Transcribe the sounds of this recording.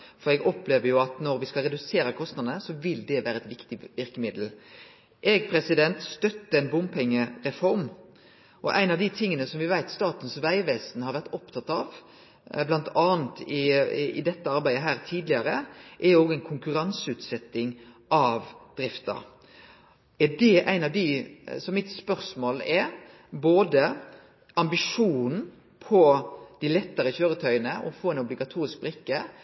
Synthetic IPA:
fɔɾɛɡɔpleːʋəɾjʊɑt̪nɔɾʋɪskɑlʁɛd̪ʉseːɾəkʰɔst̪nɑd̪nəsɔʋɪld̪ɛʋæːɾəɛt̪ʋɪkt̪ɪʋɪʁkəmɪd̪l̩ | ʔɛɡpʰʁɛsɪd̪ɛnt̪st̪œt̪ːəɛɪnbʊmpʰɛŋːəɾɛfɔɾm | ʔɔ̰ʔæ̰ɪnɑʋd̪ɪt̪ʰɪŋːənəsɔmʋɪʋæɪt̪st̪ɑːt̪ənsʋæɪʋeːsnhɑɾʋæʁt̪ɔpt̪ʰɑt̪ːɑʋ | blɑnt̪ʰɑːnt̪ɪɪ̰d̪ɛt̪ːəɑɾbæɪd̪əɦæːɾt̪ʰiːd̪lɪəɾəʔɛɾoːɡæɪnkʰʊŋkʉɾɑnsʉːt̪sɛt̪ːɪŋ | ʔɑʋd̪̥ɾɪft̪ɑ̰ | ɛd̪ɛʔæɪnɑʋd̪ɪsɔmːɪt̪spœʁsmoːlɛ | boːd̪ə | ʔɑmbɪʂuːnn̩ | pʰɔd̪̥ɪlɛt̪ːəɾəçøːɾət̪ʰœʏənəʔɔ̰foːɛnɔblɪɡɑt̪ʰuːɾɪsk̚bɾɪkːə

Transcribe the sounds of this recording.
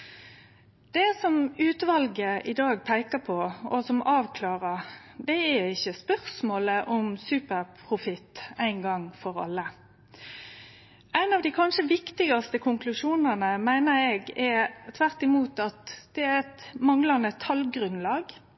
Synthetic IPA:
d̪̥ɛsɔmʉːt̪ʋɑlɡəʔɪd̪ɑːɡ̚pʰæɪkəpʰɔɔsɔmɑːʋkʰlɑːʁəd̪ɛæɾɪçːəspœʁsmoːləʔɔmsʉːpəʁpʰʁʊfɪt̪ːæɪnɡɑŋːfɔʁɑ̰lːə | ʔæɪnɑʋd̪iːkʰɑnʂəʋɪkt̪ɪɡɑst̪əkʰʊŋklʉʂuːnənəmæɪnəɾeɡɛt̪ʰʋæʁt̪ɪmuːt̪ɑt̪d̪̥ɛæɛt̪mɑŋlɑnət̪ʰɑlɡʁʉnlɑːɡ

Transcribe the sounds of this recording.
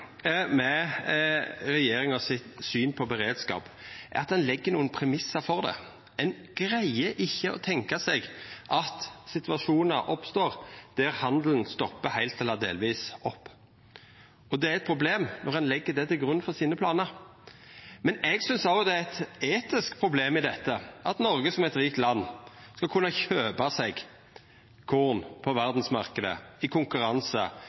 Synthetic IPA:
mɛ | ɾɛjeːɾɪŋɔsɪt̪syːnpʰɔbɛɾeːd̪skɑ̰ːpʔæ̰ɾɑt̪̚d̪ɛnlɛɡːəɾnuːənpʰɾɛmɪsːɑfɔʁd̪ɛ̰ | ɛn | ɡ̥ɾæɪəʔɪçːəɔ̰t̪ʰɛŋkɑsɛɡʔɑt̪sɪt̪ʋɑʂuːnɑʔɔpst̪oːʁd̪̥æʁhɑnd̪lən̩st̪ɔpːəhæɪlt̪ɛlːɑd̪ḛːlʋiːsɔpː | ɔd̪ɛæɾɛt̪pʰɾʊbleːmnɔʁɑnlɛɡːəd̪ɛt̪ɪlɡʁʉnfɔʁsiːnəpʰlɑːnəɾ | mɛnɛɡsʏnsɑlɡɔd̪ɛæɛt̪eːt̪ɪskpʰʁʊbleːmɪd̪ɛt̪ːəʔɑt̪nɔɾɡəsɔmɛt̪ɾiːk̚t̪lɑnːskɑkʰʉnːɑçøːbɑsɛɡ | kʰuːʁnpʰɔʋæʁd̪n̩smɑʁkəd̪ə̰ɪkʰʊŋkʉɾɑnsə̰

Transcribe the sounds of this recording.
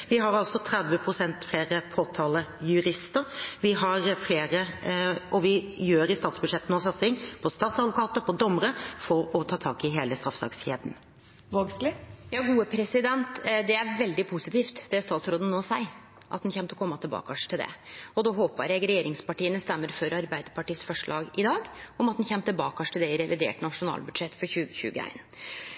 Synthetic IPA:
ʋɪɦɑɾɑlsɔt̪ʰɾɛd̪ʋəpʰɾʊsɛnt̪fleːɾəpʰoːt̪ʰɑːləjʉɾɪst̪əɾʋɪɦɑɾfleːɾəʔɔʋɪjøːɾɪst̪ɑːt̪sbʉd̪ʂɛt̪ːn̩ɔsɑt̪sɪŋpʰɔst̪ɑːt̪sɑd̪ʋʊkʰɑːt̪əpʰɔd̪ɔmːəɾəfɔɾɔt̪ʰɑːt̪ʰɑːkɪɦeːləst̪ɾɑfsɑ̰kseːd̪n̩ | ʋoɡslɪjɑːɡuːəpʰɾɛsɪd̪ɛnt̪d̪ɛæɾʋɛld̪ɪpʰusɪt̪iːft̪d̪ɛst̪ɑːt̪sɾoːd̪ənnoːsæɪ | ʔɑ̰t̪d̪ɛnçɛmt̪ɔkʰɔmːɑt̪ʰɪlbɑ̰ːkɑʂt̪ʰɪld̪ɛ̰ɔd̪ɔɦoːpə̰ɾɛɡɾɛjeːɾɪŋspɑʈiːənəst̪ɛmːəɾfɔɾɑɾbæɪd̪əɾpʰɑʈiːəsfɔʂɭɑ̰ːɡɪd̪ɑːɡɔmɑt̪̚d̪nçɛmːt̪ɪlbɑːkɑʂt̪ʰɪld̪ɛɪɾɛʋɪd̪ḛːʈnɑʂʊnɑ̰ːlbʉd̪ʂɛt̪ːfɔɾçʉːɡəçʉ̰ːɡəæ̰ɪn

